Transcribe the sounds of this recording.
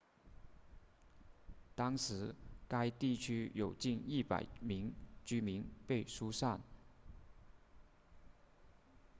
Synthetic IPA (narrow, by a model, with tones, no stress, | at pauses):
t̪ɑ˥ŋʂɻ̩˧˥ka˥ɪt̪i˥˩t͡ɕʰy˥jo˨˩ʊt͡ɕi˥˧ni˥˩pa̰˨˩ɪmi˧˥ŋt͡ɕy˥mi˧˥ŋpe˥˩ɪʂu˥sa˥˩n